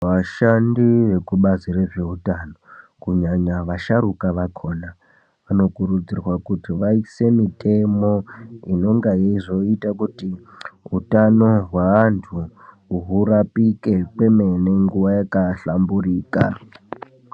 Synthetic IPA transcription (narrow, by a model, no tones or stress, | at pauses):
ʋaʃandiʋe̞kuɓazire̞ʐe̞ɦutano̞kuɲaɲaʋaʃaɾukaʋakʰo̞ːna | ʋano̞kuɾud͡zirwakutiʋaise̞mitʰʼe̞mo̞ino̞ŋɡajeiʐo̞itakuti | ɦutano̞ɦwaːntʰu | uɦurapike̞kweme̞ne̞ŋɡuʋajakaɬamburiːka̰